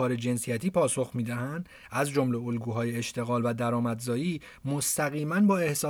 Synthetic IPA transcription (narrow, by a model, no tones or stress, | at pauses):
ɒːɾe̞d͡ʒe̞nsijæt̪ʰiːpʰɒːso̞xmiːd̪æɦænd̪̥ | ʔæzd͡ʒo̞mle̞olɡuːɦɒːjeeʃt̪e̞ɣɒːlvæd̪æɾɒːmæd̪zɒːjiː | most̪ʰæɣiːmænbɒːe̞hsɒː